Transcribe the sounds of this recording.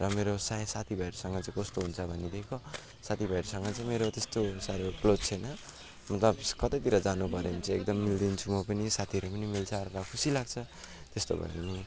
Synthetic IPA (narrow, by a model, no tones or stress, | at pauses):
rʌmeɾosasat̪ʰibʱʌeɾusʌŋɡʌt͡saĩkost̪oɦunt͡sʰʌbʱʌnːid̪ekʰo | sat̪ʰibʱʌeɾsʌŋɡʌt͡sʌĩmeɾot̪est̪osaɾoklot͡sʰʌjnʌ | mʌt̪lʌbkʌt̪ʌjt̪iɾʌd͡zanupʌɾemt͡sʌ̃ek̚d̪ʌmːild̪int͡sʰumʌpʌnisat̪ʰiʌɾupʌnimilt͡sʰʌɾɾʌkʰusilaɡ̚t͡sʰʌ | t̪est̪o̰bʱʌ̰eni